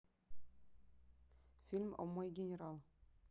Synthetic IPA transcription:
fʲilʲmo̰mːɑjɡʲɪnʲeɾɑlˠ

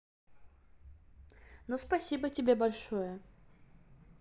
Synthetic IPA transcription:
nospɐsʲibətʲɪbʲebɐlʲʂojə

